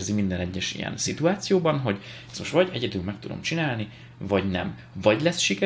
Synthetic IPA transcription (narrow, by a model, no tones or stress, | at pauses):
rzimind̪ɛnɛɟːɛʃḭjɛ̰nsit̪uaːt̪sijoːbɒnɦo̞ɟɛst̪mo̞ʃt̪ʋɒɟɛɟɛd̪ylmɛk̚t̪ud̪o̞̰mt͡ʃinaːlni | vɒɟnɛ̰m | vɒɟlɛsʃikɛ